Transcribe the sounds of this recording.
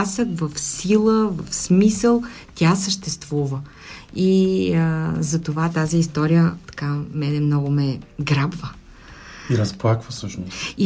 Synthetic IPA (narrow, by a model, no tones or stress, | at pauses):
səkvɐfsilˠəvɐfsmisəlˠt̪ʲasəʃt̪ɛst̪vuvə | i | zɐt̪ovat̪aziːst̪ɔɾijət̪ɐ̥kamɛnɛmnɔɡomɛɡɾabvə | iɾɐsplˠakvəsɤʃnosi